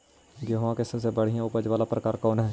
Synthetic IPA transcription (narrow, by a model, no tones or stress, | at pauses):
ɡeɦʋãːkesəseːbəɽ̤ijãːʊpəd͡ʒʋaːlaːpɾəkaːɾkɔːnɦɛː